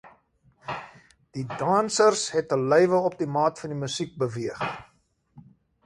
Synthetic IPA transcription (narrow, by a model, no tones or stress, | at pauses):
d̥idɑːnsərsɦɛtəlœjvəɔp̚dimɑːtfɐndiməsik̚bəviəχ